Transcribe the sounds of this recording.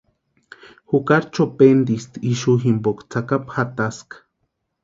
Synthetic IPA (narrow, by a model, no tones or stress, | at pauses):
xukaɾt͡ʃopend̪ist̪iʃuɦimbokt͡sakapxat̪askḁ